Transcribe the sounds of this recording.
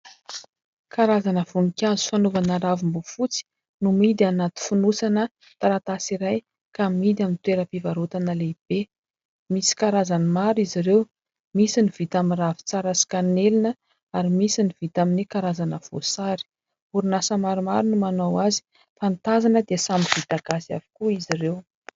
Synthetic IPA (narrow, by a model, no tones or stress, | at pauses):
kaɾazanəv̥uŋikʲazu̥fanuvanaɾavimbufut͡si̥ | numid̪ianat̪i̥funusanə | t̪aɾat̪asiɾaj | kamid̪iaminit̪weɾəpivaɾot̪anəleib̥e | misi̥kaɾazanimaɾiziɾew | misiniv̥it̪aminravi̥t͡saɾasi̥kanelinə | aɾimisiniv̥it̪aminikaɾazanəv̥o̰saɾi̥ | uɾunasəmaɾimaɾinumanawazi̥ | fant̪azanəd̪esamv̥it̪aɡasia̰vi̥kuizirew